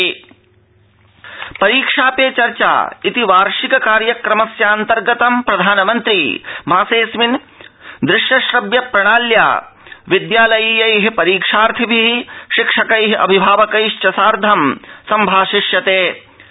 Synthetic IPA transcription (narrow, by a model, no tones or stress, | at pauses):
pɐɾiːkʂaːpeːt͡ʃɐɾt͡ʃa̰ːit̪iʋaːɾʂikɐkaːɾjɐkɾɐmɐsjaːnt̪ɐɾɡɐt̪ɐmpɾɐd̪ʱaːnɐmɐnt̪ɾiːmʱaːseːsmin | d̪ɾɪʃjɐʃɾɐbjɐpɾɐɽ̃aːlja̰ːʋid̪jaːlɐjiːjɐjɦipɐɾiːkʂaːɾt̪ʰibʱiɦiʃɪkʂɐkɐjɦiʔɐ̰bʱibʱaːʋɐkɐjʃt͡ʃɐsaːɾd̪ʱɐmsɐmbʱaːʃɪʃjɐt̪eː